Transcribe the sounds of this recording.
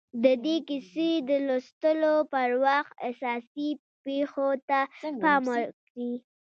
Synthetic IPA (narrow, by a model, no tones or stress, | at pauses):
d̪əd̪ekised̪əlost̪əlopəɾwaxt̪asɑsi | pexot̪apɑməkɽi